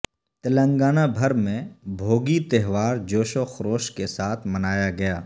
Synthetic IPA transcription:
t̪ɐlə̃ŋɡaːnabʱɐɾmẽbʱoːɡit̪ɐɦʋaːɾd͡ʒoːʃoxɾoːʃkesaːt̪ʰmɐnaːjaɡɐjaː

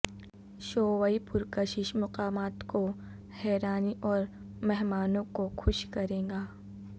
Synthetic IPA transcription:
ʃoːʋaːipʊɾkəʃɪʃmʊqaːmaːt̪ko | hɛːɾaːniʔɔːɾ | mɛɦmaːnõkoxʰʊʃkɐɾẽːɡaː

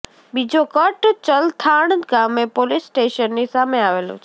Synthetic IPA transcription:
bid͡ʒokəʈt͡ʃəlt̪ʰaɳɡamepolisʈeʃənːisameaʋelõ̰t͡ʃʰ

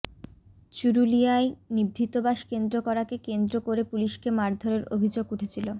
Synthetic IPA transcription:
t͡ɕuɾuliaenibɾit̪obaʃkend̪ɾokɔɾakekend̪ɾokoɾepuliʃkemaɾd̪ʱoɾeɾobʱid͡ʑoɡuʈʰet͡ɕʰilo

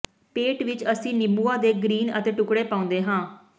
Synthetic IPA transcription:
peːʈʋɪt͡ʃəsĩːnɪbuːaːd̪eːɡɾiːnə̰t̪eːʈʊkɽeːpaːʊ̃ːnd̪eːɦãː

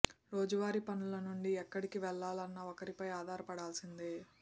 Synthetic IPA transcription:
ɾoːd͡ʒɐʋaːɾipɐnulɐnuɳɖiɛkːɐɽikiʋɛɭːaːlɐnːɐɔkɐɾipɐjaːd̪ʱaːɾɐpɐɽaːlsind̪i

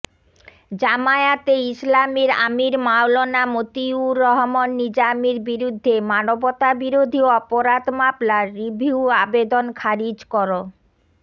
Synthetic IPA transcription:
d͡ʑamaeat̪eislamiɾa̰miɾmawlonamot̪iuɾɔɦmonːid͡ʑamiɾbiɾud̪ʱːemanobɔt̪abiɾod̪ʱioɔpoɾad̪mablaɾːibʱiuabed̪onkʰaɾid͡ʑkɔɾo

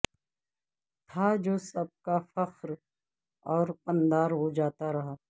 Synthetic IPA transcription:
t̪ʰad͡ʒoːsɐb̚kafɐqɾ | ɔːɾpɐ̃nd̪aːɾɦod͡ʒaːt̪aɾɐɦaː

